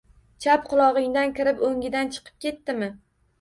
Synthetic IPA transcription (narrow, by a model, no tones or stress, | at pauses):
t͡ʃʰap̚qʰʊlˠɒʁɪŋd̪ankʲʰɪɾɪpoŋʲɪd̪ant͡ʃʰɨ̥qʰɨ̥p̚kʲe̞t̪ːɪmɪ